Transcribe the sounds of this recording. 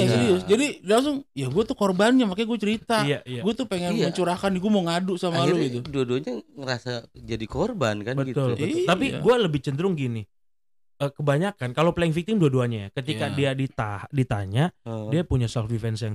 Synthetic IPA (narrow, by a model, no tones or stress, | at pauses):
jasaɾiʊsd͡ʒadillaŋs̬ʊŋjaɡuat̪ukɔrbanɲamakajɡuat͡ʃəɾit̪ajajaɡuat̪ʊpeŋɛnməɲt͡ʃuɾakaniɡuamoŋadʊʔsamalɡit̪uduaduaɲaŋəɾasad͡ʒadikorbankanbət̪ʊlbəʊt̪apiɡualəbɪht͡ʃənd̪əɾʊŋɡini | əkəbaɲakankaloplaɪŋfik̚t̪ɪmduaduaɲaja̰kət̪ikadiadit̪a̰hdit̪a̰ɲaʔdiapuɲasalfdifɛnsjaŋ